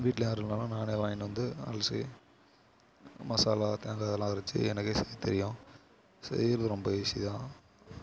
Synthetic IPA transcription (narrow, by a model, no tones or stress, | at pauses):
ʋiːʈːɪleaːɾɯnaːlʊ̃naːneːʋaːjɪnʋɐnd̪ɯɐ̰lsḭ | mɐsaːlaːt̪eːŋɡaːðɛlːãːɐɾɐt͡ʃːɯ̰ɛnɐkːeːsɛðit̪ɛɾɪjʊ̃ | sɛ̰jɪɾɐðɯɾɔmbɐeːsit̪ãː